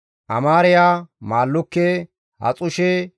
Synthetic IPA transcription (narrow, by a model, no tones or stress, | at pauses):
ʔɐmaːɾɪjaːmaːlːʊkːe | hɐ̰t͡sʼʊʃɛ